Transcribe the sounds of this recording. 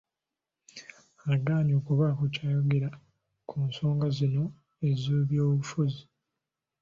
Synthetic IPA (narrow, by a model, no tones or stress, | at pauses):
aɡaːɲoːkuβakucaːjoɡeɾa | kʰunso̞ːŋɡazino̞ | e̞ziβjoːβufuzi